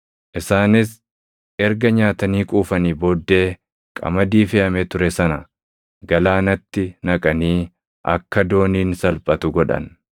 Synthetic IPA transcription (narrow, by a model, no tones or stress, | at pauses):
ʔɪsaːnɪs | ɛɾɡɐɲaːt̪ɐniːkʼuːfɐniːboːd̪ːe̞ː | kʼɐ̰mɐd̪iːfɪɐmet̪ʊɾɛsɐnɐ | ɡɐlaːnɐt̪ːɪnɐkʼɐniː | ʔɐ̰kːɐd̪o̞ːniːnsɐlpʼɐt̪ʊɡɔᶑɐ̰n